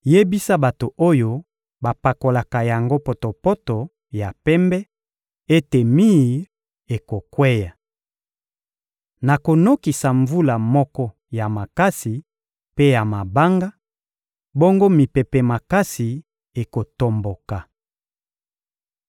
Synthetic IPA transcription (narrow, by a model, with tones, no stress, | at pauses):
je˦bi˦sa˦ba˨to˨ʔo˦jo˦ | ba˨pa˨ko˨la˨ka˨ja˨ŋɡo˦po˨to˨pɔ˦to˨ | ja˨pɛ˦mbɛ˦ | e˦te˨mi˦ | e˨ko˨kwɛ˦ja˨ | na˨ko˨no˦ki˨sa˨ɱvu˦la˨mɔ˦kɔ˦ | ja˨ma˨ka˦si˨ | pe˦ja˨ma˨ba˦ŋɡa˦ | bo˦ŋɡo˦mi˨pɛ˨pɛ˨ma˨ka˦si˨ | e˨ko˨to˨mbo˨ka˨